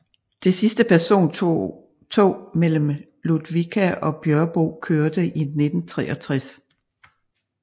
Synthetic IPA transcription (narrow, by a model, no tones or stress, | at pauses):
d̥esisd̥əpæɐso̝̰ːn | t͡sʰo̝̰ːmel̰m̩ | lud̥ʋikʰæʔɒ̽b̥jɶɐb̥o̝kʰøːɐd̥əʔine̝d̥n̩t͡sʰʁɛ̰ːʔɒt͡sʰʁas